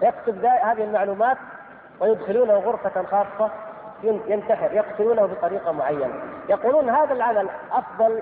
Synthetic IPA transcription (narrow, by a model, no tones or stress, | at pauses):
jakt̪ʊbd̪aːhaːðɪhɪlmaʕluːmaːt̪̚ | wɪjʊd̪xɪluːnahʊɣʊɾfaxɑːsˤːɑ | jjɪnt̪aħɪɾjɑqt̪ʊluːnahʊbɪt̪ˤɑɾiːqɑmʊʕajːana̰jɑquːluːnɦaːðalʕamalʔɑfðˤɑl